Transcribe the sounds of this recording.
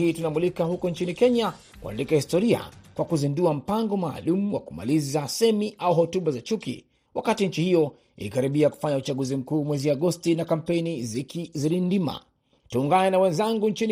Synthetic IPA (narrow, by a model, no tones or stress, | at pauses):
iːtunamulikahukɔnt͡ʃinikɛɲa | kua̰ndikahistɔɾia̰kwakuzinduam̩paŋɡɔmaːlumuwa̰kuma̰lizasɛmiʔauɦɔtuɓazat͡ʃukḭ | wʔakatiɲt͡ʃihijɔ | ḭlikaɾiɓiaku̥faɲaut͡ʃaɠuzim̩kuːmwɛziaɡɔstinakam̩pɛnizikiziɾindima̰ | tuːŋɡanɛnawɛ̃nzaŋɡuɲt͡ʃin